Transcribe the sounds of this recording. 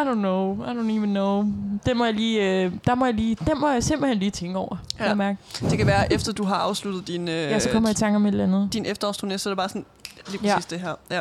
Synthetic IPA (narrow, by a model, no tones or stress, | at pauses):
adonoʊaɾoniʋənoʊd̥emɒjɑliːd̥ɑ̈mɒ̽jɑliːd̥emɒ̽jɑsemb̥l̩henliːt͡sʰeŋɡ̥əɒʊ̰ɐæmæɐɡ̥d̥e̝kʰæʋæːɐʔefd̥ɐd̥uɦɑ̈ɑ̈ʊslud̥ð̩ˠd̥inøjæsɒ̽kʰɒ̽mɐit͡sʰɑ̈ŋɡ̥ɒ̽me̝dl̩ænð̩ˠd̥inefd̥ɐɒsd̥ʰʁonesɒ̽ɐɾ̥ebɑ̈ːsɔ̽n | liːpʰʁsḭːsd̥eɦæɐ̰